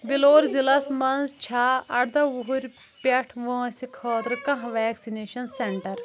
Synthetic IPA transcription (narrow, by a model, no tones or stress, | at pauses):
biloːɾzilɐsmɐnzt͡ʃʰaːɐɽd̪ɐʋuɦuɾʲ | pɐʈʰʋõsikʰɔːt̪ɾkɐ̃ɦʋɛːksineːʃɐnseɳʈɐɾ